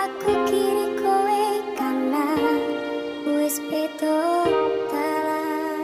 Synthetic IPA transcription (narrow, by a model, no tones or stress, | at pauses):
akukinikʰowekanːa | uespet̪ɔt̪ala